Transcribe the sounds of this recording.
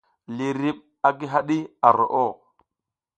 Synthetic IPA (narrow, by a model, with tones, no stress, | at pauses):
li˨ɾi˦ɓ̚ | a˦ɡi˦ɦa˦ɗi˦a˨ɾo̰˨ʔo˦˨